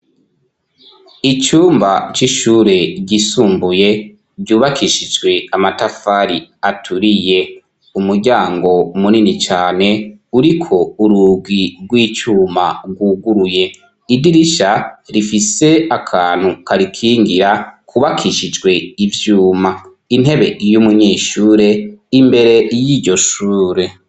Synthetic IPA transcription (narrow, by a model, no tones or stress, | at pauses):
it͡ʃuːmbat͡ʃiʃuːɾe̞ɟisuːmbuje̞ | ɟɟuːβakiʃid͡ʒɡwe̞amatafaɾḭatʰuɾije̞ | umuɾɟaːŋɡo̞muninit͡ʃaːne̞uɾikʰo̞uɾuɡwiɡwiːt͡ʃuːmaɡwuːɡuɾuje̞ | idiɾiʃaɾifise̞akʰaːn̥hukaɾikʰiːŋɡiɾakʰuβakʰiʃid͡ʒɡwe̞ivjuːma | in̥e̞βe̞jumuɲiːʃuːɾe̞imbe̞ɾe̞jiːɾɟo̞ʃuːɾe̞